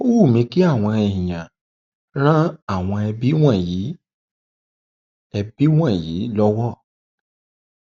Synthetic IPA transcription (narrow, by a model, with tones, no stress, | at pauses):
o˦wu˦˨mĩ˧ki˦a˦˨w̃ɔ̃˧ɛ˨j̃ã˨ | ɾ̃ã˦a˦˨w̃ɔ̃˧ɛ˧bi˦w̃ã˦˨ji˨˦ | ɛ˧bi˦w̃ã˦˨jiː˨˦lɔ˦wɔ˦˨